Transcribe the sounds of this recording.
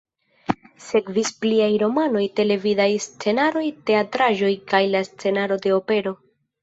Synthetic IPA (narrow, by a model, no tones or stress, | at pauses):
se̞kvispliajɾo̞mano̞jte̞le̞vidajst͡se̞naɾo̞jte̞atɾaʒo̞jkajlast͡se̞naɾo̞de̞ope̞ɾo̞